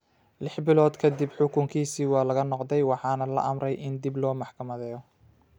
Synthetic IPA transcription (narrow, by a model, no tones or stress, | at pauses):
lɪħbɪlɔːd̪kʰɐd̪ɪbħʊkʰʊŋkʰiːsiːwɑːlɐɣɐnɔqd̪ɛjwɑħɑːnɐlɐ̰ʔɐmrɛjʔɪnd̪ɪblɔːmɑħkʰɐmɐðɛːjɔ